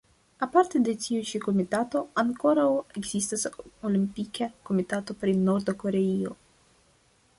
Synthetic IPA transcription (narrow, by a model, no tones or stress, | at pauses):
apaɾt̪e̞de̞tiut͡ʃiko̞mitato̞aŋko̞ɾawe̞ɡz̥ist̪asolimpikʰako̞mitato̞pɾino̞ɾd̪oko̞ɾe̞io̞